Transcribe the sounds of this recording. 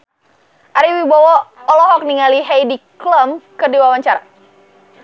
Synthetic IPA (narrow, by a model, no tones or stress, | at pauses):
ʔaɾiwibawɔɔlɔɦɔk̚niŋaliɦejdikləmkədiwawaɲt͡ʃaɾa